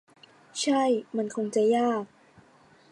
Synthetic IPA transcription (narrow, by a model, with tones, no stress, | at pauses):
t͡ɕʰa˥˩jma˧nkʰo˧ŋt͡ɕa˨˩jaː˥˩k̚